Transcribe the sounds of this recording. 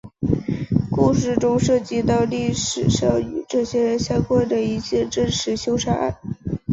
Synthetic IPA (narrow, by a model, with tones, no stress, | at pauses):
ku˥˧ʂɻ̩˥˩ʈ͡ʂʊ˥ŋʂɤ˥˧t͡ɕi˥t̪ɑ˥˧ʊli˥˩ʂɻ̩˨˩ʂɑ˥˩ʊy̰˨˩ʈ͡ʂɤ˥˩ɕjɛ˥ɻə˧˥nɕjɑ˥ŋkwa˥˩nʈ͡ʂə˩i˧˥˩ɕjɛ˥˧ʈ͡ʂə˥nʂɻ̩˧˥ɕjo˥ʊʂa˥a̰˥˩ɪ